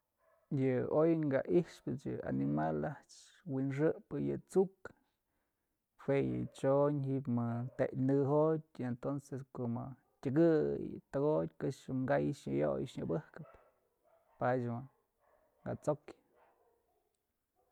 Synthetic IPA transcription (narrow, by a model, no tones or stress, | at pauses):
jɨojŋɡaʔihʂpɨt͡ʃjɨa̰nimalaht͡ʃ | winʂ̬ɨʔpɨjɨ̰t͡suk | hwejɨ̰t͡ʃoɲɦiʔpmɨt̪eʔʲnɨɦot̚ʲent̪onseskoʔmɨ | tʲɨɡɨjɨ̰t̪ɨɡot̪̚ʲkɨʂɨŋɡajʂɲɨ̰jo̰jʃɲɨbɨhkɨp | pat͡ʃʲma | ŋɡa̰t͡sok